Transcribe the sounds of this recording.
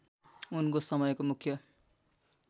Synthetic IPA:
unkosʌmʌjkomukʰjʌ

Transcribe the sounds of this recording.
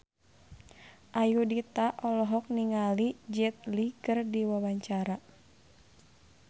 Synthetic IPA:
ʔajudit̪aʔɔlɔɦɔk̚niŋalid͡ʒɛt̪̚likɨrdiwawaɲt͡ʃaɾa

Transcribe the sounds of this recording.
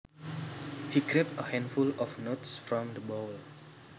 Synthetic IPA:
hikɾep̚təhɛ̃ndfulɔfnotsfɾɔ̃md̪əbol

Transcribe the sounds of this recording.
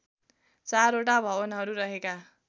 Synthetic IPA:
t͡saɾoʈabʱʌbʌnɦʌɾuɾʌɦeka

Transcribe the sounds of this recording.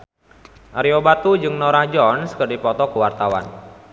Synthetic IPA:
ʔaɾiobat̪ud͡ʒɨŋnɔɾahd͡ʒɔnskərdipɔt̪ɔkuwart̪awa̰n

